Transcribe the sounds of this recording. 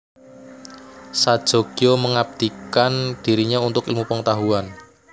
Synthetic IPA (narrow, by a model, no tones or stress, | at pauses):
sad̥ʒ̥o̤ɡ̥ijoməŋab̚d̪̥ikand̪̥i̤ɾiɲaunt̪ʊkɪlmupəŋət̪aɦuan